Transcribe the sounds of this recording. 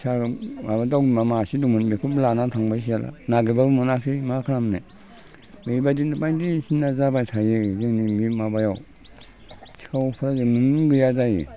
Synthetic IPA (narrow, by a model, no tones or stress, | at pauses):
sʰamabadawmamasidumunmikʰublanatʰaŋbas̬ijalʔa̰naɡebabmɔnakʰimakʰaɾamne | mejbadindapajdisinːazabajtʰajezeŋnimimabajaw | sʰi̥kʰawpʰaɾaɡenuŋɡɯjazajḭ